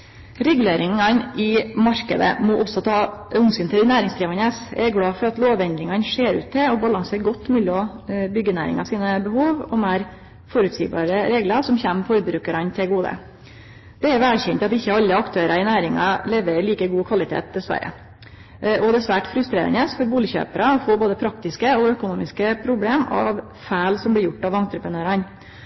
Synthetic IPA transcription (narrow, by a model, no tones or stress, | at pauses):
ɾɛɡʉleːɾɪŋɑnʔɪmɑɾkəd̪ə̰mɔʔɔsːɔt̪ʰɑːʉnsɪnt̪ʰɪlnæːɾɪŋsd̪ɾiːʋɑnəsɛɾɡɽɑːfɔɾɑt̪loːʋɛnd̪ɾɪŋɑnʂeːɾʉ̰ːt̪ʰːɪɔbɑlɑŋseːɾɡɔt̪ːmʉːlɔbʏɡːənæ̰ːɾɪ̰ŋɑsiːnəbəhuːʋɔmeːɾ | fɔɾʉːt̪siːbɑ̰ːɾəɾeːɡlɑɾsɔmçɛmfɔɾbɾʉːkəɾɑnt̪ʰɪlɡuːd̪ə̰ | d̪̥ɛæɾʋælçɛnt̪ɑt̪ɪçːəɑlːəɑkt̪ʰøːɾɑɪnæːɾɪŋɑ̰leːʋəɾɪliːkəɡuːkʰʋɑlɪt̪ʰḛːt̪̚d̪ɛsʋæ̰ɾə̰ | ɔd̪ɛsʋæːʈfɾʉst̪ɾḛːɾə̰nəsfɔɾbuːlɪçø̰ːpəɾəɔfoːboːd̪əpʰɾɑk̚t̪ɪskəɔœkʊnuːmɪskəpʰɾʊbleːmɑ̰ʋ | fæɪlsɔmblɪɾjʊʈːɑʋɑnt̪ɾəpɾənøːɾɑn